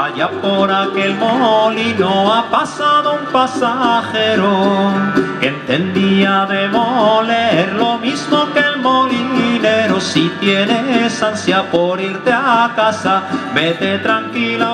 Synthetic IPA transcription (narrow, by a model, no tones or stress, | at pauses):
aʝapo̞ɾake̞lmolinoapasaðoumpasaxe̞ɾo | keent̪e̞nd̪iaðe̞moleeɾlo̞mizmo̞kelmo̞line̞ɾo̞sit̪jene̞sansjapo̞ɾiɾt̪eakasaβe̞t̪e̞t̪ɾaŋkila